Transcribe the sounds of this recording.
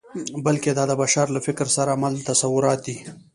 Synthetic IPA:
bəlked̪ɑd̪əbaʃɑɾlafɪkɾsaɾamalt̪asawʊɾɑt̪̚d̪i

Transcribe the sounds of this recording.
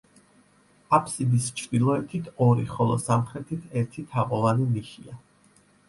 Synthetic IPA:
apʰsid̪ist͡ʃʰɾd̪ilˠɔɛt̪ʰit̪ʰɔɾiχɔlˠɔ̰samχɾɛt̪ʰit̪ʰɛɾt̪ʰit̪ʰaʁʼɔlaniliʃia

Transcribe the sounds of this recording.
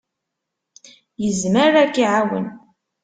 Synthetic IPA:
jəzməɾækːiʕawə̰n

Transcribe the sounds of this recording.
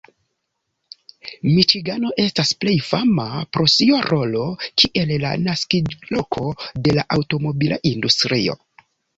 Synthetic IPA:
mit͡ʃiɡano̞ʔe̞stasple̞jfamapɾo̞sioɾo̞lo̞kʰiʔe̞lla̰naskid͡ʒlo̞kʰo̞de̞laʔawto̞mo̞bila̰ʔindustɾio̞̰

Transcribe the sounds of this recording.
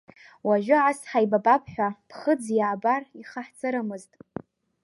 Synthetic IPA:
waʒᶣʷʊʕasħajbabapʰħʷᶣapʰχəd͡zjaʕːbariχaħt͡sʰʼɨɾamɨztʼ

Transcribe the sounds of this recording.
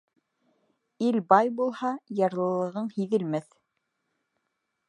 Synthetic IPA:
ilbɑjbulˠhɑjɑɾlˠɤ̆lˠɤ̆ʁɤɴhiðɘ̆lmæθ

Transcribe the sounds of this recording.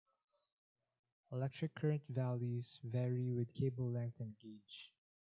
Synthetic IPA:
əlɛk̚tʰɹ̥ɨkʰːɜɹə̃ntvælˠjiz̥vɛɹiwɪd̪kʰeɪbl̩ˠlɛ̃ŋk̚θɨ̃nɡed͡ʒ

